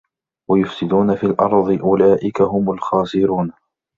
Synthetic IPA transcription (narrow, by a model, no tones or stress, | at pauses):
wajʊfsɪd̪uːnafiːlʔɑɾˤðˤɨʔʊlaːʔɪkaɦʊmʊlxɑːsɪɾuːn